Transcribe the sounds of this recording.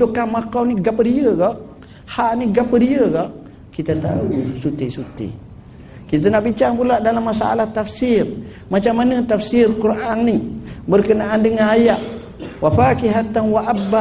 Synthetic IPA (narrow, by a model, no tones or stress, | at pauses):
dʊʔkahmakawniɡapədiəɡɔʔ | haʔniɡapədiəɡɔʔ | kit̪at̪a̰usut̪isut̪ḭ | kit̪ənaʔbiɲt͡ʃaŋpulaʔdalamːasa̰a̰laht̪afsir | mat͡ʃamːanət̪afsirkurʔaŋnibərkənaʔandəŋanajaʔ | wafakiɦat̪anwaʔaba